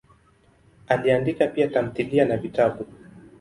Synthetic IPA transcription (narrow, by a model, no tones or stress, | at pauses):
aliandikapiatam̩θilianavitaɓu